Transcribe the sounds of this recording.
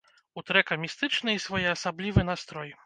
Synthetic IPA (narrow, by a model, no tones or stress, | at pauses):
ut̪ɾɛkɐmʲist̪ɨt͡ʂnɨisvɔjɛɐsablʲivɨnast̪ɾɔj